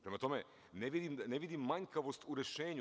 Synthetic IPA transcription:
pɾemat̪o̞me | neʋid̪imneʋid̪imːaɲkaʋo̞st̪uɾe̞ʃeːɲu

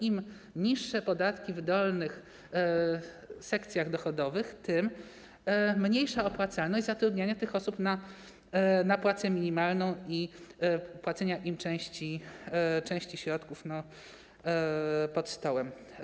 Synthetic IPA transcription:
im | ɲiʂːɛpɔd̪at̪kʲivd̪ɔlnɘx | sɛkt̪sʲjaɣd̪ɔxɔd̪ɔvɘxt̪ɘmː | ɲejʂaɔpwat̪salnɔɕd͡ʑʲzat̪ɾud̪ɲaɲat̪ɘxɔsupna | napwat̪sɛmʲiɲimalnɔ̃w̃i | pwat̪sɛɲaʔimt͡ʂɛ̃w̃ɕt͡ɕi | t͡ʂɛ̃w̃ɕt͡ɕiɕɾɔt̪kufnɔ | pɔt̪st̪ɔwɛm

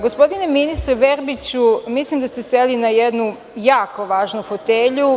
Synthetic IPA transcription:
ɡospo̞d̪ineminist̪ɾeʋeɾbit͡ɕumislimd̪ast̪e̞selinajed̪nu | jaːko̞ʋaːʒnufot̪eʎu

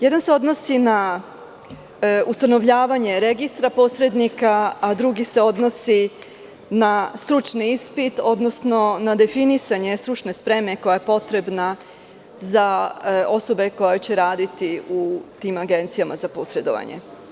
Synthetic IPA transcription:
je̞d̪anse̞o̞d̪no̞sina | ust̪ano̞ʋʎaːʋaɲe̞ɾe̞ɡist̪ɾapo̞ːsɾe̞d̪nikaːd̪ɾuɡise̞o̞d̪no̞si | nast̪ɾut͡ʃniispit̪o̞d̪no̞sno̞nad̪e̞finisaɲe̞st̪ɾut͡ʃne̞spɾe̞me̞ko̞jajepo̞t̪ɾe̞bna | zao̞so̞be̞ko̞jot͡ɕe̞ɾaːd̪it̪iut̪imaɡe̞nt̪sijamazapo̞sɾe̞d̪o̰ʋa̰ɲḛ

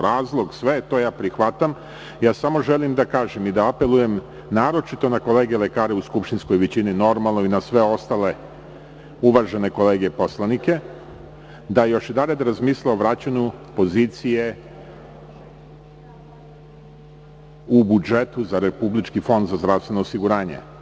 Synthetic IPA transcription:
ɾaːzlˠo̞ɡsʋet̪o̞jaːpɾixʋat̪am | jaːsamo̞ʒe̞limd̪akaːʒemid̪aape̞lˠuje̞m | naːɾo̞t͡ʃit̪o̞nako̞le̞ːɡele̞kaːɾeuskupʃt̪insko̞jʋet͡ɕinino̞ɾmalˠno̞inasʋe̞o̞st̪ale̞ | uʋaʒe̞ne̞ko̞le̞ːɡepo̞slˠanike̞ | d̪ajo̞ʃid̪aled̪ɾazmiːslaoʋɾat͡ɕaɲupo̞ziːt̪sije̞ | ubud͡ʒe̞t̪uzaɾepublit͡ʃkifo̞nd̪zazd̪ɾast̪ʋe̞no̞ːsiɡuɾaːɲḛ

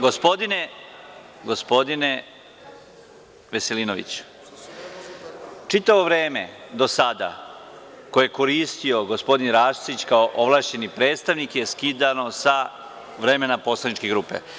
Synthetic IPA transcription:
ɡo̞spo̞d̪ine | ɡo̞spo̞d̪ine | ʋe̞se̞liːno̞ʋḭt͡ɕ | t͡ʃit̪aʋo̞ʋɾe̞ːme̞̰d̪o̞sad̪a̰ | kojeeko̞ɾiːst̪io̞ɡospo̞d̪inɾaːʃsit͡ɕkaoʔoʋlˠaːʃt͡ɕe̞nipɾeːt̪st̪aʋnikje̞skid̪ano̞sa | ʋɾe̞menapo̞slˠanit͡ʃkeɡɾuːpe̞̰

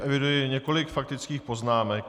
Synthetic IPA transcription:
ʔɛvɪdujɪɲɛko̞lɪkfak̚t̪ɪt͡skiːxpo̞znaːmɛk

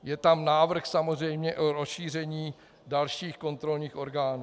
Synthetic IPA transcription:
jɛt̪amnaːvr̩xsamozrɛjmɲɛʔoɾosʃiːr̝ɛɲiː | dalʃiːxko̞nt̪ɾo̞lɲiːxʔo̞ɾɡaːnuː

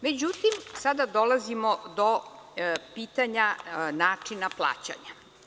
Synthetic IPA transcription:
me̞d͡ʑut̪imsad̪ad̪olazimod̪o | piːt̪aɲanaːt͡ʂinaplˠa̰ːt͡ɕa̰ɲa

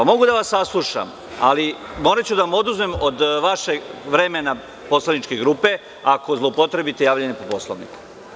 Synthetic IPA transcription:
amo̞ɡud̪aʋasːaslˠuʃa̰m | a̰limo̞ːɾat͡ɕud̪aʋamo̞d̪uzme̞mod̪ʋaʃe̞ʋɾe̞mena | po̞slˠanit͡ʃkeɡɾuːpe̞ | ako̞zlˠopot̪ɾe̞bit̪e̞jaːʋʎenepopo̞slˠo̰ʋnḭku̥

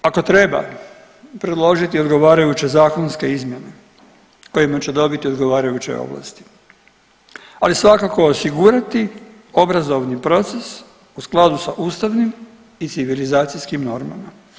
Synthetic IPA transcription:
ako̞t̪ɾe̞ba̰ | pɾed̪lˠo̞ʒit̪io̞d̪ɡo̞ʋaːɾajut͡ɕe̞zaːkonske̞izmje̞ne̞ | ko̞jimat͡ɕe̞d̪o̞bit̪io̞d̪ɡo̞ʋaːɾajut͡ɕe̞̰o̰ʋla̰st̪i̥ | alisʋakako̞ːsiɡuɾat̪i | o̞bɾazo̞ʋnipɾo̞t̪ses | usklˠad̪usaʔust̪aʋnim | it̪siʋilizaːt̪sijskimno̞ɾma̰ma

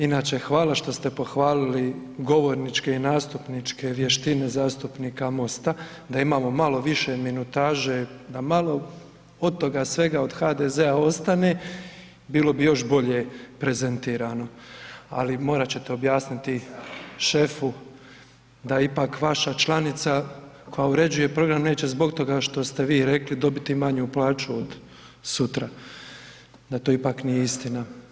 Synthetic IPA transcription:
inaːt͡ɕe̞xʋaːlaʃt̪o̞st̪e̞po̞xʋaːliliɡo̞ʋo̞ɾnit͡ʃke̞inaːst̪upnit͡ʃke̞ʋje̞ʃt̪ine̞zaːst̪upniːkamo̞st̪a | d̪aimaːmo̞malo̞ʋiʃe̞minut̪aːʒed̪amalˠo̞ | o̞d̪̚t̪o̞ɡasʋe̞ɡao̞d̪xaːd̪ezeao̞st̪ane̞ː | biːlo̞bijo̞ʃbo̞ʎe̞pɾe̞ze̞nt̪iːɾano̞a̰limo̞ːɾat͡ɕe̞t̪eo̞bjaːsnit̪iʃe̞fu | d̪aipakʋaʃat͡ʃlˠanit̪sa | ko̞jauɾe̞d͡ʑuje̞pɾo̞ɡɾamne̞ːt͡ɕe̞zbo̞kt̪o̞ɡaʃt̪o̞st̪e̞ʋiːɾe̞klid̪o̞bit̪imaɲuplˠaːt͡ʃuod̪ | sut̪ɾa | d̪at̪oipaknijeist̪ina

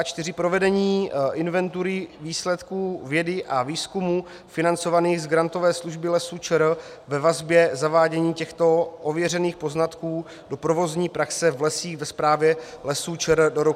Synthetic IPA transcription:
at͡ʃt̪ɪrɪpɾo̞vɛdɛɲiːʔɪnvɛnt̪uɾɪviːslɛt̪kuːvjɛdɪʔaviːskumuː | fɪnant͡so̞vaniːɣzɡɾant̪o̞vɛːsluʒbɪlɛsut͡ʃɛɾ | vɛvazbjɛzavaːɟɛɲiːcɛxt̪o̞ʔovjɛr̝ɛniːxpo̞znat̪kuː | do̞pɾo̞vo̞zɲiːpɾaksɛvlɛsiːxvɛspɾaːvjɛlɛsuːt͡ʃɛɾdoɾo

